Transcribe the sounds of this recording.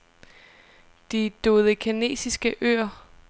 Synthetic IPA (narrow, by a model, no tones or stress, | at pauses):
d̥id̥o̝ːðˠəkʰine̝̰ːsisɡ̥əʔø̰ːɐ